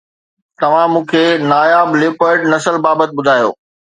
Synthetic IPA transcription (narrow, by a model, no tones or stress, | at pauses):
t̪ɐʋ̤ãmũːkʰeːnaːjaːblɪːpəɾɖnɐsəlbaːbət̪̚ɓʊd̪ʱaːjo̰ː